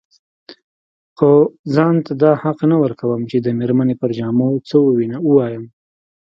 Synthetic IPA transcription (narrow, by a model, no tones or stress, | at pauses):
xozɑnt̪ad̪ɑhaqnawəɾkawəmt͡ʃed̪əmeɾmanepəɾd͡ʒɑmot͡səwəwinauwɑjəm